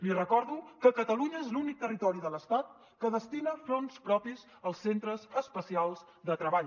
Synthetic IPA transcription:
lirəkɔɾðukəkət̪əluɲəezlunik̚t̪ərit̪ɔɾiðələst̪at̪̚ | kəðəst̪inəfɾonspɾɔpiz | əlˠsːent̪ɾəzəspəsialˠz | d̪ət̪ɾəβaʎ

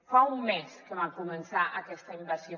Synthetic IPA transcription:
faumːɛskəβakumənsaʔəkɛst̪əimbəɾsjo

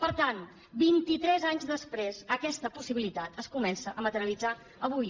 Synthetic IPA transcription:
pəɾt̪an | bint̪it̪ɾɛzaɲzðəspɾezəkɛst̪əpusiβilit̪at̪əskumɛnsəʔəmət̪əɾjəlid͡za | əβuj

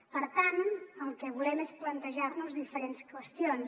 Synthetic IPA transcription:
pəɾt̪anəlˠkɛβulɛmesplənt̪əʒaɾnuzðifəɾenskwəst̪ions

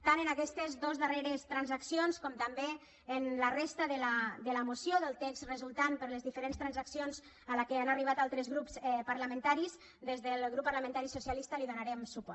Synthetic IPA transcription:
t̪anənakɛst̪əzðozðəreɾəst̪ɾanzaksionskɔmt̪ambe | ənlərest̪əðəlad̪ələmusjoðəlˠt̪ɛkzrəzulˠt̪anpəɾləzðifəɾenst̪ɾanzaksionz | əlakeanariβ̞at̪alˠt̪ɾəzɣɾupsɛpaɾləmə̃nt̪aɾiz | d̪ezðəlˠɣɾupːaɾləmə̃nt̪aɾisusialist̪əliðunaɾɛmsupɔ

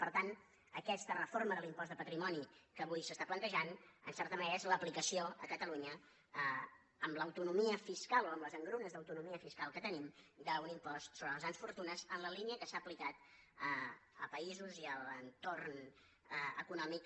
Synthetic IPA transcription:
pəɾt̪an | əkɛst̪ərəforməðəlimpɔzd̪əpət̪ɾimɔnikəβujsəst̪aplənt̪əʒanənsɛrt̪əməneɾəzləplikəsioəkət̪əluɲə | ə | əmləwt̪unumiəfiskalˠoəmləzəŋɡɾunəzðəwt̪unumiəfiskalˠkət̪ənimd̪əunimpɔst̪soβɾəlˠzɣɾansfuɾt̪unəzənləliniəkəsaːplikat̪əə̰lpəizuziəlˠənt̪orn | ə̰kunɔmik

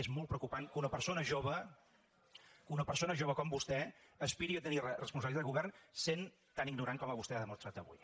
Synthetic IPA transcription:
ezmɔlˠt̪pɾəwkupankunəpəɾsonəʒoβə | kunəpərsonəʒoβəkɔmbust̪ɛəspiɾiət̪ənirərəspunsəβliaðəɣuβɛrnsen | t̪aniɡnuɾaŋkɔməβust̪ɛaðəmust̪ɾat̪əβṵj

